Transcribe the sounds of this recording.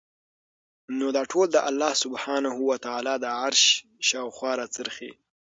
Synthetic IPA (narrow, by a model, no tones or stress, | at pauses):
nod̪ɑʈʰold̪əʔalːɑhsʊbhɑnahuwat̪aːlɑd̪əʕaɾʃ | ʃɑwxwɑɾat͡səɾxḭ